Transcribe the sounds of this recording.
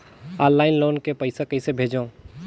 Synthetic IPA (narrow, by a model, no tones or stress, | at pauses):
aːnlaːɪnloːnkepɐɪsekɐɪsebʱeːd͡ʒãː